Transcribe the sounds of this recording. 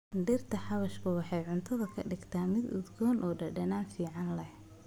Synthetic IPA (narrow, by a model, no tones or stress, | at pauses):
dɪrt̪ʰɐħɑβɐʃkʰʊwɑħɑjʕʊnt̪ʰɐðɐkʰɐɖɪɡt̪ʰaːmɪd̪ʊ̰d̪ɡɔːnʔɔːɖɐɖɐnaːnfiːʕɑnlɛh